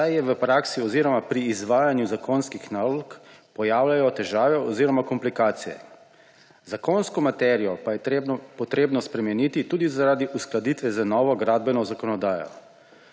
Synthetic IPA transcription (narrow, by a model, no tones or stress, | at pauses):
ajjɛʋəpɾaksiɔziɾɔmapɾiːzʋaːjanjuzakonskixnaːlɔkpɔjaːwlajɔt̪ɛʒaːʋɛɔziːɾɔmakɔmplikaːt̪sijɛ̰ | zakonskɔmat̪ɛɾijɔpajɛt̪ɾebɔpɔt̪ɾeːbnɔspɾɛmɛniːt̪it̪uːd̪izaɾaːd̪iʔusklad̪it̪ʋɛzanɔːʋɔɡɾaːd̪̚bɛnɔzakɔnɔd̪aːjɔ̰